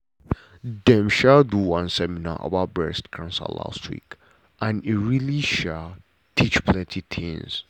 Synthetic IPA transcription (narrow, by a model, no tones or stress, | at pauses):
dɛ̃mʃalduwãnsɛmina̰ʔɔ̰babɛstkʰãnsə̰la̰stʰwḭk | ʔãniɹiliʃal | tʰit͡ʃpʰlɛ̃ntʰit̪ʰɪ̰̃ŋs